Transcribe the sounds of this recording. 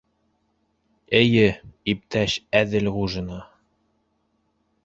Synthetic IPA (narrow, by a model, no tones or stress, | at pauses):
ɘ̆jɘip̚t̪æɕæðɘlʁuʒɤ̆nɑ